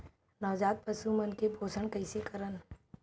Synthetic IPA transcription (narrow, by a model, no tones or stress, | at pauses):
nɔːʋd͡ʒaːt̪̚pɐsumənkebʱoːsəɳ̃kɐɪsekəɾən